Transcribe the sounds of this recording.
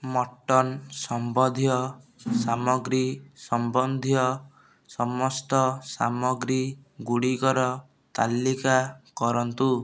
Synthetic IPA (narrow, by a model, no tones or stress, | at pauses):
mɔʈːɔnsɔmbɔd̪ʱijɔsamɔɡɾisɔmbɔnd̪ʱjɔ | sɔmɔst̪ɔsa̰mɔɡɾiɡuɽikɔɾɔ | t̪a̰lːikakɔɾɔnt̪u